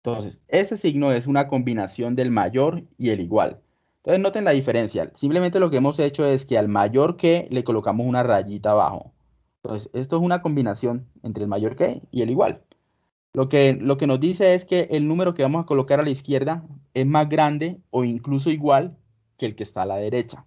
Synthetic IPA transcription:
et̪onse̞se̞se̞siɡno̞e̞s̬unako̞mbinasjo̞nd̪e̞lmaʝo̞ɾie̞liɣwa̰l | t̪onseno̞t̪e̞nlaðife̞ɾe̞nsja̰simpleent̪̬e̞lo̞k̬e̞emo̞se̞t͡ʃo̞e̞ske̞almaʝo̞ɾke̞le̞ko̞lo̞kamo̞sunaraʝit̪aːβa̰xo̞̰ | t̪o̰nsese̞st̪o̞esunako̞mbinasjo̞nent̪ɾelmaʝo̞ɾke̞̰ḭe̞liɣwa̰l | lo̞ke̞lo̞ke̞no̞zd̪ise̞e̞ske̞ʔelnũme̞ɾo̞ke̞βamo̞sakolo̞kaɾalaiskje̞ɾðae̞zmazɡɾand̪e̞o̞iŋklus̬o̞iɣwal | ke̞ːlke̞ːst̪aːlaðe̞ɾe̞t͡ʃḁ

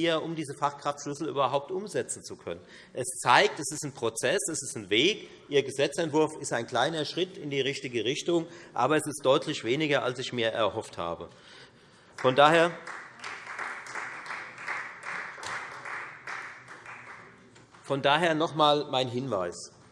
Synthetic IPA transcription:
iɐʔʊmdiːzəfaχkʁ̥aftʃlʏsl̩ʔyːbɐɦaʊp̚tʔʊmzɛt͡sn̩t͡sukʰœ̰nən | ʔɛst͡saɪk̚tɛsɪstn̩pʁ̥ot͡sɛsɛsɪstn̩veːk | ʔiːɐɡəzɛt͡sɛntv̥ʊɐfɪstaɪnkl̥aɪnɐʃʁ̥ɪtɪndiːʁ̞ɪçtɪɡəʁɪçtʊŋʔa̰ːbɐɛsɪstd̥ɔʏtʰlɪçv̥eːnɪɡɐa̰lsɪçmiːɐʔɛ̰ɐhɔftha̰ːbə̰ | fɔndaːheːɐ | fɔndaːɦeːɐnɔχmaːlmaɪnɦɪnvaɪs

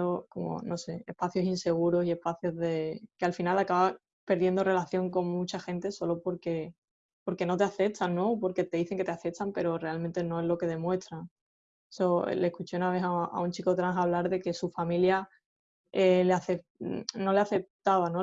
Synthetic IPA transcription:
oko̞̰mo̰no̞se̞espaθjo̞sinse̞ɣ̞uɾo̞sie̞hpaθjo̞zðe̞kealfinalakaβa | pe̞ɾðje̞nd̪o̞re̞laθjo̞ŋko̞ŋmut͡ʃaxe̞nt̪e̞so̞lo̞po̞ɾke̞ | po̞ɾke̞no̞t̪e̞aθe̞p̚t̪ʰanːõ̞opo̞ɾke̞t̪e̞ðiθe̞ŋke̞t̪eaθe̞t̪ampe̞ɾo̞re̞almẽnt̪e̞nõ̞e̞ɦlo̞ke̞ð̞e̞mwe̞st̪ɾaŋ | so̞̰le̞hkut͡ʃe̞unaβ̞e̞ɦaa̰unt͡ʃiko̞t̪ɾaŋɦaβ̞laɾðe̞ke̞sufamilja | eleaθepno̞le̞aθe̞p̚t̪aβano

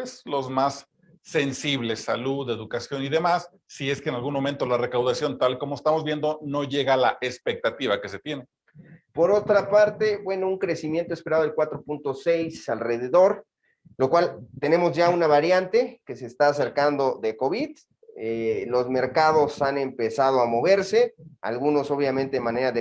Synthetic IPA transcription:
eslo̞zmasː | e̞nsiβle̞sːaluðe̞ðukasjo̞niðe̞masː | ie̞skeːnalɣunmo̞ment̪o̞lare̞kawðasjo̞nt̪alko̞moest̪amo̞zβje̞nd̪o̞no̞ʝe̞ɣalaʔespe̞k̚t̪at̪iβake̞se̞t̪je̞ne | po̞ɾo̞t̪ɾapaɾt̪e̞bwe̞nouŋkɾe̞simje̞nt̪oe̞spe̞ɾaðoelkwat̪ɾo̞punt̪o̞sejsalre̞ð̞e̞ðo̞ɾ | lo̞kwalt̪e̞ne̞mo̞zʝaunaβaɾjant̪e̞ke̞seːst̪aːse̞ɾkand̪o̞ðeko̞βið | elo̞zme̞ɾkað̞o̞sane̞mpe̞saðo̞amo̞βe̞ɾse̞a̰lɣuno̞so̞βjament̪e̞mane̞ɾaðe

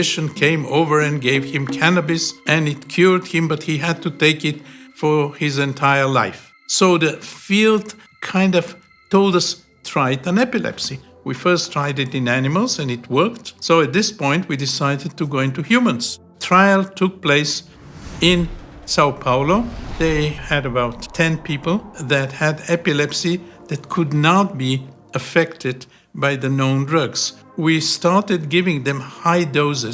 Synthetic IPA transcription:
ʃɨ̃nkʰẽɪ̃mo̰ʊvə˞ɨ̃nɡeɪv̥ɪ̃mkʰænəbɨsʔɨ̃nɪtkʰj̥ʊɹd̚hɪ̃mbʌt̚hiɨd̚tuteɪkɪtfəɪzɛ̃ntʰaɪə˞laɪf | soʊðɨfilˠd | kʰãɪ̃ndʌv̥ | tʰoʊlˠdʌs | tʰɹ̥aɪɾə̃nɛpɨlɛ̰psi | wifɜ˞stʰɹ̥aɪɾɨɾɨ̃nænɨməlˠzɨ̃nɨt̚wɜ˞ktsoʊɨt̪̚ðɪspɔ̃ɪ̃nt̚widɪsaɪɾɨd̚tuɡoʊɪ̃ntuhjumə̃nz̥ | tʰɹ̥aɪlˠtʰʊk̚pʰl̥eɪs | ɪ̃nsaʊθpʰaʊloʊðeɪɨɾɨbaʊtʰɛ̃npʰipl̩ˠðɨt̚hɨɾɛpɨlɛpsiðɨt̚kʰɨdⁿnət̚b̥i | ɨfɛktʰɨd̚ | baɪðɨnõʊ̃ndɹʌɡz̥ | wistɑɹtɨd̚ɡɪvɪ̃ŋðɨ̃mhaɪdoʊzɨ

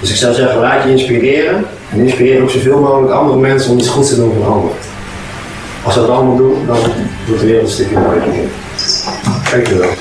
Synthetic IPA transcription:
d̥øsɪksɑwzɛχəəlaːtjəɪnspirɪːɾən | ɛnɪnspirɪːɾəowksovɪːlˠmoχələkɑ̰ndərəmɛnsəɔmitsχutstədunvɔnɑndərə | ɑlˠsʋədɑtɑlməlˠdundɑndutəʋɪːrəl̩ˠtstɪkjəmojəkɪ̰n | kɛjkəʋɛlˠ

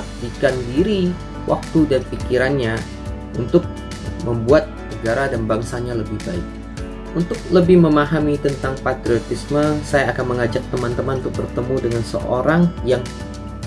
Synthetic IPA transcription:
dikandiɾi | wʔa̰k̚t̪udanpikiɾanɲa | ʔunt̪ʊk̚ | məmbuat̪̚nəɡaɾadanbaŋsaɲaləbɪhbaɪk̚ | unt̪ʊk̚ləbɪhməmaɦamit̪ənt̪aŋpat̪ɾiot̪isməsajaːkanməŋad͡ʒak̚t̪əmant̪əmanunt̪ʊk̚bərt̪əmudəŋansə̰ʔoɾaŋjaŋ

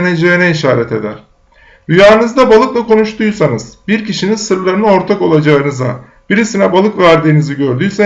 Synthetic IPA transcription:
ned͡ʒejinɛiʃaːɾɛt̪ʰe̞d̪æɾ̥ | ɾyjaːɯnɯzd̪abalˠɯklˠako̞nuʃt̪ʰujsanɯz̥biɾciʃinizsɯɾlˠaɾɯnao̞ɾt̪ʰako̞lˠad͡ʒaɯnɯza | b̥iɾisinɛbalˠɯkvæɾd̪iːniziɟøɾd̪yjse

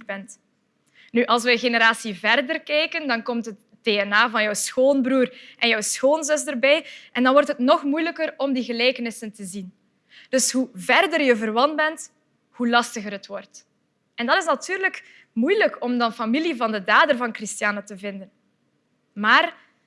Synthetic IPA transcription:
bɛnt | nyʔɑlˠs̬ʋəəɣenəɾaːsivɛrdərkɛjkəndɑnkɔmtɦət | deːɛnaːvɑnjœwsxoːnbruːrʔɛnjœwsxoːnzɵstərbɛjʔɛndɑnʋɔrtɦətnɔxmujləkərɔmdiɣəleːkənɪsəntəzin | d̥ɵsɦuvɛrdərjəvərʋɑn̚bɛnt | hulɑstəɣəɾɦətwɔrt | ʔɛndɑtɪs̬natyːɾlək | mujləkɔmdɑnfɑmilivɑndədaːdərvɑnkrɪstjaːnətəvɪndən | maːr

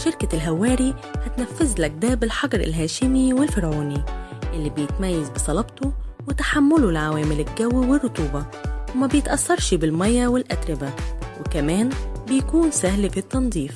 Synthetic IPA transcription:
ʃɪɾkalɦawːæːɾihat̪nafːɪzlak̚d̪æːbɪlħɑɡɑɾɪ̰lɦæːʃɪmiwɪlfɪɾʕuːniʔɪlːibɪjɪt̪majːazbɪsˤɑlɑbt̪uwɪt̪ḁħamːʊlʊlʕawæːmɪlɪlɡæwːiwɪrːʊt̪ˤuːbɑwɪmæbjɪt̪ʔɑsːɑɾˤʃbɪlmɑjːawɪlʔad̪ɾɪbawɪkamæːnbɪjkuːnsahlfit̪ːɑnd̪ˤiːf

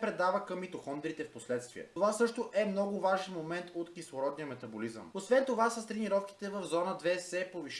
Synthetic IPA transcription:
pɾɛd̪avəkɐmːit̪oxɔnd̪ɛɾit̪ɛfposlɛt̪st̪vḭɛ̰t̪ovasɤʃt̪oʔɛmnɔɡʊvaʒɛnmomɛnt̪ot̪kislˠoɾɔd̪nijəmɛt̪ɐbolizə̰mosvɛnt̪ovasəst̪ɾɛniɾɔfki̥t̪ɛvəvzɔnəd̪vɛsɛpoviʃ

